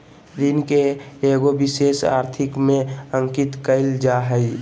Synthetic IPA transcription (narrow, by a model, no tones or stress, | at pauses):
ɾinkeeːɡobɪseːsa̰ːɾt̪ʰɪkmẽə̃ŋkɪt̪kəɪld͡ʒaɦəi